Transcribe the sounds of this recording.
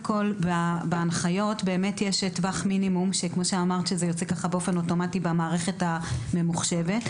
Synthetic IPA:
ko̞lbabeanχajo̞tbe̞ːme̞tjeʃetvaχminimumʃekmo̞ʃeamaʁtʃezejo̞t͡sekaχabeo̞fe̞no̞to̞matibamaːʁe̞χe̞tame̞muχʃe̞ve̞t

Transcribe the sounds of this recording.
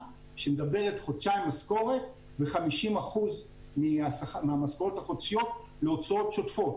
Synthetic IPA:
ʃemedabe̞ʁe̞tχotʃajmːasko̞ʁe̞t | veχamiʃimaχuz | miasameamaskoʁothaχot̪ʃijo̞t̚ | leot͡sao̞tʃo̞tfo̞t

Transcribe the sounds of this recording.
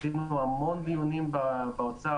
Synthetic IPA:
inuamo̞nd̪iunimbabaot͡sa

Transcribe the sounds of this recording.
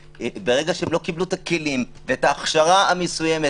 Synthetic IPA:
beʁe̞ɡaʃeemlo̞kibluet̪akelim | veetaːχʃaʁaamesuje̞me

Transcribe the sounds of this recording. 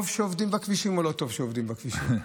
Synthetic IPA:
vʃeovd̪imbakviʃimolot̪o̞vʃeovd̪imbakviʃḭm

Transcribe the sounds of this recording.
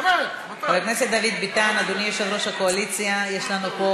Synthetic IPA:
avelkneset̪̚d̪avid̪bit̪anad̪onijoʃevɾo̞ʃhakoalit͡sjajeʃlanupo

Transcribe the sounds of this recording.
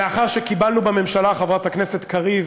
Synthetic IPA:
eaχaʁʃekibalnubame̞mʃalaχavʁat̪aknese̞t̪kaʁiv

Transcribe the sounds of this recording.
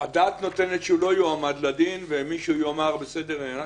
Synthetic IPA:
ad̪aːt̪no̞t̪e̞net̪ʃeulo̞joamad̪lad̪invemiʃːjoamaʁbese̞d̪e̞ʁna

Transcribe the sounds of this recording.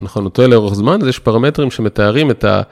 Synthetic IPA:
naχonotoleoʁeχzmanzjeʃpaʁame̞tʁimʃeme̞taːʁime̞ta̰

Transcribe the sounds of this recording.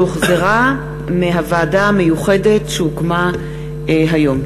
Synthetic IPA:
uχzeʁa | meɦavaːdamejuχede̞tsukma | ɦajo̞m

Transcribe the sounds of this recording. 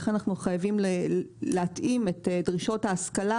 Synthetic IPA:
χanaχnuχajavimleleatʔimetedʁiʃo̞thaːskala

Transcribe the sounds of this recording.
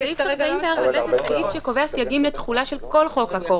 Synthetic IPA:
aifaimveaʁaletatalifʃeko̞veasjaɡimlet̪χulaʃe̞lko̞lχo̞khako

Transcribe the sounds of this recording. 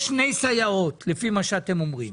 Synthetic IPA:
ʃne̞jsajao̞t̪lefimaʃeat̪e̞mo̞mʁim

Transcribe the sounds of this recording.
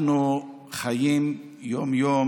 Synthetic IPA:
nu | χajim | jɔmjo

